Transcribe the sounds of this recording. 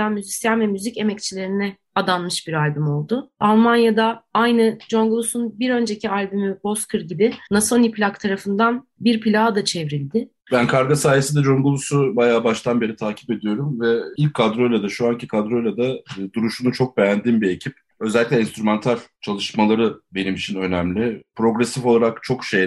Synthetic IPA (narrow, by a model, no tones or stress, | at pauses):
anmyzisjanvɛmyzice̞mɛc̚t͡ʃʰilʲe̞ɾinɛ | ad̪anmɯʃbiɾalʲbymo̞lˠd̪ʊalˠmanjad̪aajnɯd͡ʒo̞nɡulˠusunbiɾø̞nd͡ʒe̞cʰialʲbymyb̥o̞skʰɯɾɟibɪnasonipʰlʲakt̪ʰaɾafɯnd̪anbiɾpilʲaːd̪at͡ʃʰevɾilʲd̪ɪ | bænkʰaɾɡasaːjesid̪ɛd͡ʒo̞ŋɡulˠusubajaːbaʃt̪ʰanbe̞ɾit̪ʰaːcʰi̥pe̞d̪ijo̞ɾumvɛilʲcʰːad̪ɾo̞lʲad̪aʃuancikʰad̪ɾo̞lʲad̪ad̪uɾuʃunut͡ʃʰo̞k̚bejænd̪inbie̞cʰip̚ | ø̞zɛlʲːicʲlʲɛinst̪ɾumant̪ʰaɾt͡ʃʰalˠɯʃmalˠaɾɯbe̞nimit͡ʃʰinø̞næmlʲɪpɾo̞ɡɾesifo̞lˠaɾakt͡ʃʰo̞kʃej